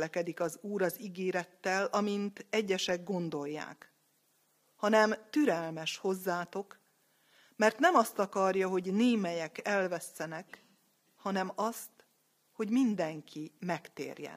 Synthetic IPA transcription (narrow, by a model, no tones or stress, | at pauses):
lɛkɛd̪ikɒzuːɾɒziɡeːɾɛt̪ːɛlɒmint̪ɛɟːɛʃɛɡːo̞nd̪o̞jːa̰ːk | hɒnɛmt̪yɾɛlmɛʃho̞zːaːt̪o̞k | mɛrt̪nɛmɒst̪ɒkɒrjɒɦo̞ɟneːmɛjɛkɛlvɛsːɛnɛk | hɒnɛmɒst̪ | ho̞ɟmind̪ɛŋkʰimɛkt̪ḛːrjɛ̰n